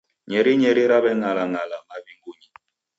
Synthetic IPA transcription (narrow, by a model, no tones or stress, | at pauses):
ɲɛɾiɲɛɾiɾaβɛŋalaŋalamaβiŋɡuɲi